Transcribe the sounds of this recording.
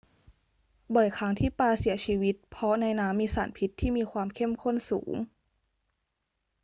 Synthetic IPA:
bɔ˨˩jkʰaː˦˥ŋt̪ʰiː˥˩paː˧si˨˩˦ɐt͡ɕʰiː˧wi˦˥t̪̚pʰɔ˦˥na˧jnaː˦˥mːiː˧sa̰ː˩˦npʰi˦˥t̪ʰːiː˥˩miː˧kʰwaː˧mkʰe˥˩mkʰo˥˩˨nsṵː˩˦ŋ

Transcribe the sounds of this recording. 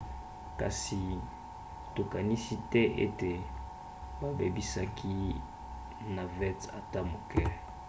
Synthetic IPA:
ka̰˨si˨ | to˨ka˨ni˦si˦tɛ˦ʔḛ˦te˨ | ba˦be˨bi˦sa˦kʰi˦ | na˨vɛ˦ta̰˨ta˦mo˨kɛ˦˨

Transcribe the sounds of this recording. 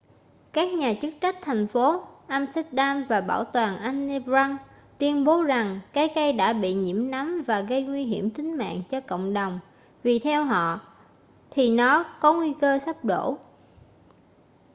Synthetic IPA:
kaː˦˥k̚ɲaː˨˩t͡ɕɨ˦˥k̚t͡ɕa˦˥k̚t̪ʰa˨˩jŋ̟fo˨˦ʔaː˧mstɛ˦˥t̚ɗaː˧mvaː˨˩ɓaː˧˩wt̪waː˨˩nʔa˧jŋni˧bza˧ŋ | t̪wi˧ənɓo˨˦za˨˩ŋkaː˨˦jkə˧jɗa̰ː˧˥ɓḭ˧˨ɲḭ˧˥əmna˨˦mvaː˨˩ɣə˧jŋwi˧ɦi˧˩əmt̪ï˨˦ŋ̟ma̰ː˧˨ŋt͡ɕɔ˧ko̰˧˨wŋ͡mɗə˨˩wŋ͡m | vi˨˩t̪ʰɛ˧wɦɔ̰˧˨ | t̪ʰi˨˩nɔ˨˦kɔ˨˦ŋwi˧kəː˧sa˦˥p̚ɗo̰˧˥

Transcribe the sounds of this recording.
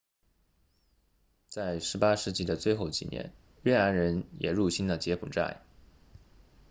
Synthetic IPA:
t͡sa˥˩ɪʂɻ̩˧˥pa˥ʂɻ̩˥˩t͡ɕi˥˩d̪ə˨t͡swe˥˧ɪxo˥˩ʊt͡ɕḭ˨˩njʔɛ̰˧˥n | ɥɛ˥˩na˧˥nɻə˧˥njɛ˨˩ɻu˥˩ɕi˥nlə˨t͡ɕjɛ˧˥pʰu˨˩ʈ͡ʂa̰˥˩ɪ

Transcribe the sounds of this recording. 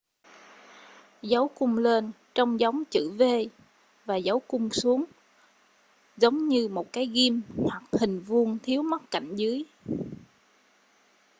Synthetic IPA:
za˨˦wkʊ˧ŋ͡mle˧n | t͡ɕɔ˧wŋ͡mza˨˦wŋ͡mt͡ɕɨ̰˧˩ve˧ | vaː˨˩zə˨˦wkʊ˧ŋ͡msu˨˦əŋ | zə˨˦wŋ͡mɲɨ˧mo˨˩t̚kaː˨˦jɣi˧mhwa˨˩k̚hï˨˩ŋ̟vu˧ənt̪ʰi˨˦əwmə˦˥t̚ka̰˧˨jŋ̟zɨ˨˦əj

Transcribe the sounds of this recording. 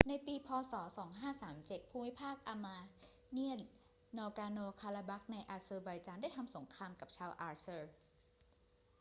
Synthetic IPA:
na˧jpiː˧pʰɔː˧sɔː˩˦sɔː˩˦ŋɦaː˥˩saː˩˦mt͡ɕe˨˩t̪̚pʰuː˧mi˦˥pʰaː˥˩k̚ʔa˧maː˧ | ni˥˩ən | nɔː˧kaː˧noː˧kʰaː˧laː˧ba˦˥k̚na˧jʔaː˧sɤː˧ba˧jt͡ɕaː˧nda˥˩jt̪ʰa˧mso˩˦ŋkʰɾaː˧mka˨˩p̚t͡ɕʰaː˧wʔaː˧sɤː˧

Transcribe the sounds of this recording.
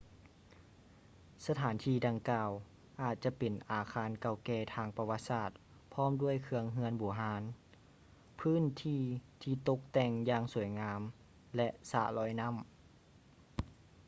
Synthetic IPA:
sa˧t̪ʰaː˩˦nt̪ʰiː˧˩da˧ŋkaː˧w | ʔaː˨˩t̪̚t͡ɕa˧˨pe˨˩nʔaː˨˩kʰaː˧˥nka˧˩wkɛː˧˩t̪ʰaː˧ŋpa˧wa˧t̪̚saː˧˩t̪̚ | pʰɔː˥˨mdu˥˩əjkʰɯ˧əŋɦɯ˧ənbuː˨˩˦ɦaː˨˧˦n | pʰɯː˧˥˨nt̪ʰiː˧˩t̪ʰiː˧t̪o˧k̚t̪ɛː˧˩ŋjaː˧ŋsu˨˩˦jŋaː˧˥m | lɛ˧ʔsa̰˧lɔː˧˥jna˧˥˨m

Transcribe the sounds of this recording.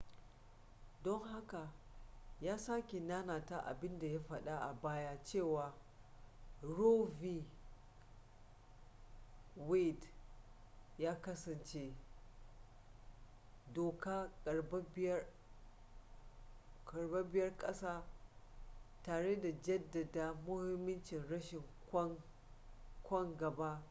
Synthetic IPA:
dɔ˦ŋɦa˦ka˨ | jaː˦saː˦kʲe˨naː˦naː˨ta˦ʔa̰˨bɪ˦nda˨ja˦ɸɐ˨ɗa˦ʔa˨baː˦ja˦t͡ʃeː˦˨waː˨ | ɽoː˦vi˦ | we˦d | jaː˦kɐ˦sɐ˨nt͡ʃe˦ | doː˨kaː˦kʼɐ˨bb | kʼɐ˨rbe˦bɪ˦jɐ˦rkʼɐ˦saː˦ | taː˨ɽe˦da˨d͡ʒɐ˦dːɐ˨daː˨mʊ˦hɪ˦mːɪ˦nt͡ʃɪ˨nɽɐ˦ʃɪ˨ŋkʷ | kʷɔ˦ŋɡɐ˨ba˦

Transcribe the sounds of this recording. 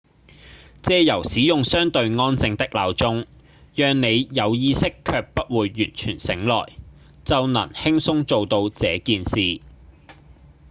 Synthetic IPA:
t͡sɛː˧jɐ˨˩wsiː˨˥jʊ˨ŋsœː˥ŋt̪ɵ˧ɥŋɔː˥nt͡sɪ˧ŋt̪ɪ˥k̚laː˨wt͡sʊ˥ŋ | jœː˨˧ŋne˨˧jjɐ˨˧wjiː˥sɪ˥kʰːœː˧k̚pɐ˥t̚wuː˨˧jːyː˨˩nt͡ʃʰy̰ː˨˩nsɪ˨˥ŋlɔ̰ː˨˩j | t͡sɐ˨wnɐ̰˨˩nhɪ˥ŋsʊ˥ŋt͡so˨wt̪o˧wt͡sɛː˨˧kiː˨nsiː˨

